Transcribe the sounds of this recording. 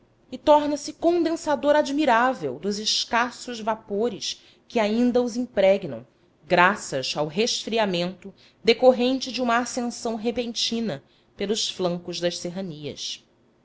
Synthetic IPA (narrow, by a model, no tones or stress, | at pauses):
ɪt̪ɔɾnɐsɪkõd̪ẽsad̪oɾad͡ʒmiɾavewd̪ʊzɪʃkasʊzvapoɾɪs | kɪaĩnd̪ɐʊzĩpɾɛɡnɐ̰̃w̃ | ɡɾasɐzawɦeʃfɾiamẽnt̪ʊ | d̪ekoɦẽnt͡ʃɪd͡ʒũmɐːsẽsɐ̃w̃ɦepẽnt͡ʃĩnɐ | pelˠʊʃflɐ̃ŋkʊʒd̪ɐʃseɦɐniɐ̰s